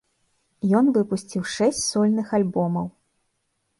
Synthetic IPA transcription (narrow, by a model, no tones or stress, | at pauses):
jɔnvɨpusʲt͡sʲiwʂɛsʲt͡sʲsɔlʲnɨxalʲbɔmɐw